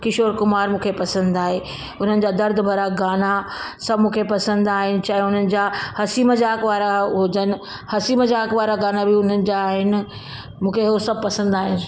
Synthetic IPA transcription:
kɪʃoːɾkʊmaːɾmũːkʰepɐsə̃nd̪aːɦeː | ʊn̤ənɪ̆d͡ʑaːd̪ɐɾd̪̆ʱbʱɐɾaɡaːna | sɐbmũːkʰepɐsə̃nd̪aːɦɪnɪ̆t͡ɕaːɦeʊn̤ənɪ̆d͡ʑahɐsiːməd͡ʑaːkʋaːɾaɦoːd͡ʑənɪ̆ | hɐsiːməd͡ʑaːkʋaːɾaɡaːnabʱiʊn̤ənɪ̆d͡ʑaɦɪnɪ̆ | mũːkʰeɦosɐb̚pɐsə̃nd̪aːɦɪnɪ

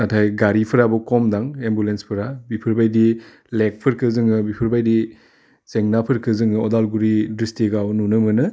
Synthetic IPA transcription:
natʰajɡaɾipʰɯɾabɔkɔmdaŋembulenspʰɯɾabipʰɯɾbajdi | lek̚pʰɯɾkʰɯzɯŋɯbipʰɯɾbajdi | seŋnapʰɯɾkʰɯzɯŋɯɔdalɡuɾidistiɡawnunɯmɯnɯ

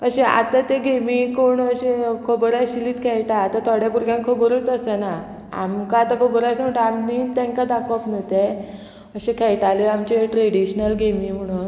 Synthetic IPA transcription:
əɕẽa̰t̪at̪eɡʱemikoɳəɕekʰobəɾaɕiliːt̪kʰɛɭʈaːt̪at̪ʰɔɽjapuɾɡjãŋkʰobəɾut̪əsəna | a̰mkaat̪akʰobəɾasəm̤əʈəamniːt̪ɛ̃ŋkad̪akɔpnət̪e | əɕẽkʰɛjʈaliamt͡ɕeʈɾeɽiɕnəlɡʱemiːm̤əɽ̃un

